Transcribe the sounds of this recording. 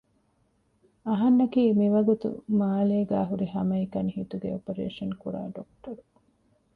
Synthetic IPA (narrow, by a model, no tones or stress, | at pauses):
ɐɦɐnːɐkiːmiʋɐɡut̪ṵmaːleːɡæːɦuɾiɦɐmɐikɐnihit̪uɡḛopɐɾḛːʂɐnkuɾa̰ːɖokʈɐɾu